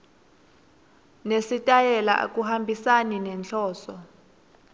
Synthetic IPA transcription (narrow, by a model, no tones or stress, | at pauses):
nesitʼajɛla̰ʔa̰k̬ʼuhambʱisaninɛnɬʰɔːsɔ